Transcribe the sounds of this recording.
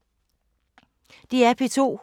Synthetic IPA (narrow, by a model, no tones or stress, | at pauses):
d̥iæpʰe̝t͡sʰo̝̰ː